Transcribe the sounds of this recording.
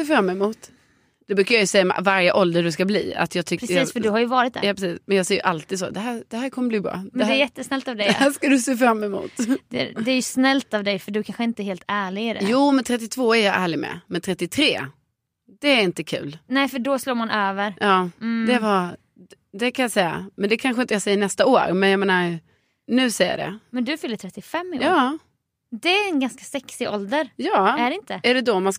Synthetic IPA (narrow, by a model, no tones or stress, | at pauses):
seːfɾamːɛmuːt̪ | d̪̥ɛbɾʉːkajajɵsɛjːam̰vaɾjəʔɔld̪əɖɵskablḭːa̰t̪ʰjɑːɡt̪ʰʏkpɾɛiːfœɖɵhajɵvɑːɾɪt̪̚d̪̰jɑːpɾɛsiːsmɛnjɑːɡsɛːjɵ̰ʔalt̪ʰiːd̪sɔ̰d̪ɛɦæːd̪̥ɛhæːɾkʰɔmːəbliːbɾɑ̰ːd̪ɛɛd̪ɛæjɛt̪ːəsnɛlt̪avd̪ɛæʂkad̪ɵseːfɾamːɛmṵːt̪d̪ɛ̰d̪ɛæɾjɵsnɛlt̪avd̪ɛjfœɖɵkʰanɧəɪnt̪əɛɾheːlt̪æːɭɪɡɖɛ̰juːmɛnt̪ʰɾɛt̪ːɪt̪ʰv̥oːæɾjɑʔæːɭɪɡmɛ̰mɛnt̪ʰɾɛt̪ːɪt̪ʰɾeː | d̪̥ɛːɾɪnt̪əkʰʉ̟̰ːlnɛːɪfœɖɔsloːɾmanʔøːvəɾjɑːd̪ɛva | d̪ɛkʰanjasɛjːa̰mɛnd̪ɛkʰanɧəɪnt̪əjasɛjːəɳɛst̪aoːɾmɛnjameːnaɾ | nʉ̟ːsɛjːa̰dɛ̰mɛnd̪ɵfʏlːət̪ʰɾɛt̪ːɪfɛmːɪjoːɑː | d̪ɛæɛnɡanskasɛksɪʔɔ̰ld̪əɾjɑːɖɛɪnt̪əæɖɛd̪ɔmans